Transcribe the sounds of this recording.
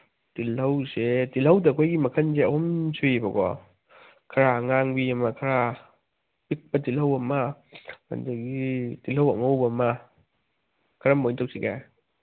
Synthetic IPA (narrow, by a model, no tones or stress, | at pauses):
tilɐwsetilhawdakʰojɡimɐkʰanzeahɔmsʰubaɡɔ̰ | kʰaɾaŋaŋbiamakʰaɾa | pik̚patilhawɐmama̰nzaɡitilhawɐ̰ŋowbama | kʰaɾamojntʰawsʰiɡa